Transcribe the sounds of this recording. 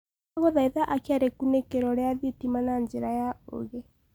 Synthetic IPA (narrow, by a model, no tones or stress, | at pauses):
ɣɔðaiðaʔakeaɾekunekeɾɔɾeaðetimanaɲd͡ʒeɾajao̰ɣɛ